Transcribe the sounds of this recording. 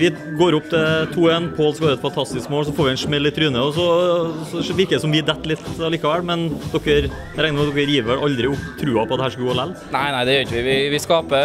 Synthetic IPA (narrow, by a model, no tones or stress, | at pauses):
ʋɪɡoːɾʊp̚ːt̪ʰɛt̪ʰuːɛnpʰɔɔlskɑʋɑːɾɛt̪fɑnt̪ʰɑst̪ɪskmoːlɔs̬ɔfoːɾʋɪɛnʂmɛlːɪt̪ːɾyːnəɔsɔsɔʋɪɾkəɪsɔmʋɪd̪ɛt̪ːlɪt̪ːɑlɪːkɑʋɛlmɛnd̪ɔkːəɾ | ɾɛŋnɾmd̪ɔkːəɾjiːʋəʔɑld̪ɾɪʊpːt̪ʰɾʉːɑpʰɔt̪ɛhæːʂkəɡuːɔlælnæɪnæɪd̪ɛjœːɾɪçəʋɪʋɪʋɪskɑːpə